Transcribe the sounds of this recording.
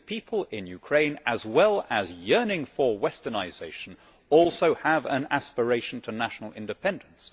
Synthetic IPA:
pʰipʰəlˠɪ̃njʉkʰɹ̥ẽɪ̃nəzwɛlˠəzjɜ˞nɪ̃ŋfə˞wɛstənaɪzeɪʃə̃n̩ | ɔlˠsoʊəvə̃næ̰spə˞eɪʃn̩tʰənæʃnl̩ˠɪ̰̃ndɨpʰɛ̃ndə̃n̩s

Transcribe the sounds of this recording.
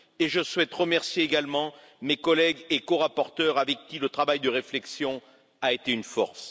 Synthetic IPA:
eʒəswɛt̪ʁəmɛʁsjeːɡalmɑ̃ | mekɔlɛɡekoʁapɔʁt̪œʁavɛkʲːilət̪χavajd̪əʁeflɛksjɔ̃ | aet̪eynfɔ̰ʁs

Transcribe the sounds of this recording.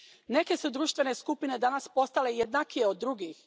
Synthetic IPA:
ne̞ke̞sud̪ɾuːʃt̪ʋe̞neskupine̞d̪anaspo̞st̪ale̞jed̪nakijeod̪ːɾuɡix

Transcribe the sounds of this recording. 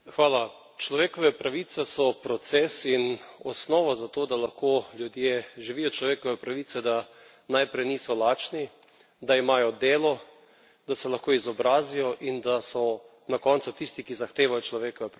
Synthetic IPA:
xʋaːla | t͡ʃlɔʋeːkɔʋɛpɾaʋit̪sɛsɔpɾɔt̪seːsinɔsnɔːʋazat̪oːd̪alaxkoːljud̪jeʒiʋijɔt͡ʃlɔʋeːkɔʋɛpɾaʋiːt̪sɛd̪a | najpɾɛjniːsɔlaːt͡ʃni | d̪aimaːjɔd̪eːlɔ | d̪asɛlaxkoːizɔbɾaːzijɔʔind̪asɔ | nakɔːnt̪sut̪ist̪ikizaxt̪eːʋajɔt͡ʃlɔʋeːkɔʋɛpɾ

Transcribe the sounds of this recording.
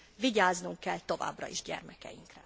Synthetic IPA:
viɟaːznuŋkːɛlt̪o̞va̰ːbrɒ̰iʒɟɛ̰rmɛkɛ̰jiŋkrɛ

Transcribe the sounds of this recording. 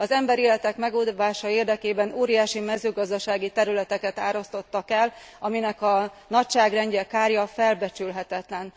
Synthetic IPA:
ɒzɛmbɛɾeːlɛt̪ɛkmɛɡod̪vaːʃɒeːrd̪ɛkeːbɛnoːɾijaːʃimɛzøːɡɒzd̪ɒʃaːɡit̪ɛɾylɛt̪ɛkɛt̪aːɾo̞st̪o̞t̪ːɒkɛlɒminɛkɒ | nɒcʃaːɡrɛɲɟɛkaːrjɒfɛlbɛt͡ʃylɦɛt̪ɛt̪lɛn

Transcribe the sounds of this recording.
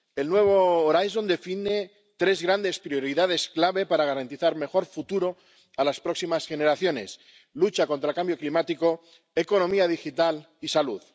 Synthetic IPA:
e̞lnwe̞β̞oːɾajso̞nd̪e̞fine̞ | t̪ɾe̞zɣɾand̪e̞spɾio̞ɾiðað̞e̞sklaβe̞paɾaɣ̞aɾant̪iθaɾme̞xo̞ɾfut̪uɾo̞ | alaspɾo̞ksimasxe̞ne̞ɾaθjo̞ne̞̰s | lut͡ʃako̞nt̪ɾalkambjo̞klimat̪iko̞ | eko̞nõ̞miað̞ixit̪al | isaluð

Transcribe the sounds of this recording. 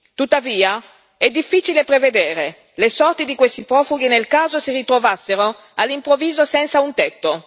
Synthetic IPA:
t̪ut̪ːaviːa | ɛd̪ːifːiːt͡ʃilepɾeved̪eːɾe | lesɔrt̪id̪ikwest̪ipɾɔːfuɡ̟inelkaːzosirit̪ɾovasːeɾo | alːimpɾovːiːzosɛnsaunt̪ɛt̪ːo

